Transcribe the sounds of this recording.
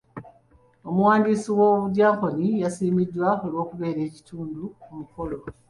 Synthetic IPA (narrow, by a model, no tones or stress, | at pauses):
o̞muwaːndisiwo̞ːβuɟaːŋko̞nijasiːmidːwao̞lwo̞ːkuβe̞ːɾe̞ːci̥tuːndukumufo̞lo̞